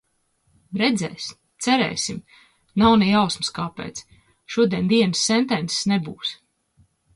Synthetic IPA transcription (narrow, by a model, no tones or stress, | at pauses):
ɾɛd̪zɛ̰ːsʲ | t̪sɛɾɛ̰ːsim | nawnijawsmɨskaːpɛ̰ːt̪s | ʃuɔd̪iɛnd̪iɛnsːɛnt̪ɛnse̥snebuːs